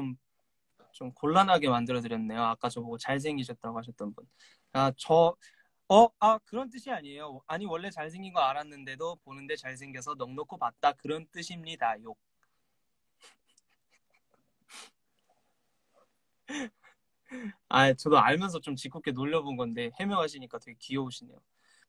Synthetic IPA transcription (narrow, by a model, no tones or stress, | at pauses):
t͡ɕom | t͡ɕomkoɭːanɦaɡe̞mandɯɾʌdɯɾjʌnɯnde̞joak͈at͡ɕʌboɡot͡ɕaɭs̬ʰe̞ŋiɕ̬ʰʌt̚t͈aɡoɦhaɕ̬ʰʌt̚t͈ʌnbun | at͡ɕʌ | ʌakɯɾʌnt̬͈ɯɕʰiaɲie̞joaɲiwʌɭːe̞t͡ɕaɭs̬ʰe̞ŋinɡʌaɾanːɯnde̞doponɯnde̞t͡ɕaɭs̬ʰe̞ŋɡes̬ʰʌnʌŋnokʰopat̚t͈akɯɾʌnt͈ɯɕʰimɲidajok̚ | a̰t͡ɕʌdoaɭmjʌnsʰʌt͡ɕomt͡ɕik͈ʰok͈e̞noʎːʌbonɡʌnde̞he̞mjʌŋɦaɕ̬ʰiɲik͈atʰeɡekiʌoɕʰinejo